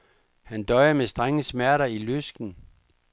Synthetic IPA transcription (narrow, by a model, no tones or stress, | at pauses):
hænd̥ɒ̽ɪɐmesd̥ʁaŋəsmæɐɾɐiløsɡ̥n̩